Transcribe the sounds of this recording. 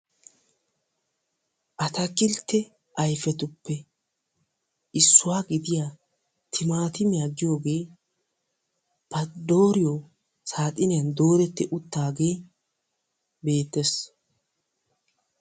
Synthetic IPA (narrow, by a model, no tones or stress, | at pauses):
ʔɐt̪ɐkːɪlt̪ːɛ | ʔɐjfɛt̪ʊpːɛ | ʔɪsːʊwaːɡɪd̪ɪjaː | t̪ʰɪmaːt̪ɪmjaːɡɪjo̞ːɡe̞ː | b̥ɐd̪o̞ːɾɪjo | saːt̪ʼɪnɪjɐnd̪o̞ːɾɛt̪ːɛʔʊt̪ːaːɡe̞ː | be̞ːt̪ːɛs